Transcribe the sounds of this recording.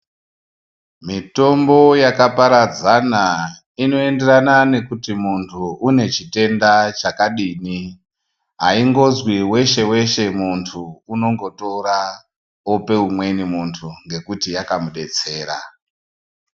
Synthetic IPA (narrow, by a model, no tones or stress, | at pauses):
mito̞mbo̞jakapaɾad͡zana | ino̞e̞nde̞ranane̞kutimuntʰuune̞t͡ʃite̞ndat͡ʃakaɗiːni | ɦaiŋɡo̞zwiwe̞ʃe̞we̞ʃe̞muntʰuːno̞ŋɡo̞to̞ɾa | ope̞umwe̞nimuntʰuŋɡe̞kutijakamuɗe̞t͡se̞ːɾa̰